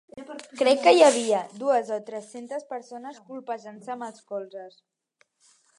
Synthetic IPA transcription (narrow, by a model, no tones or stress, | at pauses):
kɾɛkːəjəβ̞iəd̪uəzot̪ɾɛsent̪əspəɾsonəskulˠpaʒansəːməlˠskɔlˠzəs